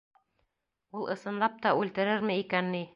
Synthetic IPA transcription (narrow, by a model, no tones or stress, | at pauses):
ulˠʔɤ̆sɤ̆nlˠɑp̚t̪ɑʉlt̪ɘ̆ɾɘɾmɘikænːi